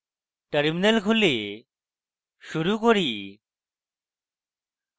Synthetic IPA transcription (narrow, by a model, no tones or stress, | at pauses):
ʈəɾminəlkʰʊle | ʃuɾukoɾiː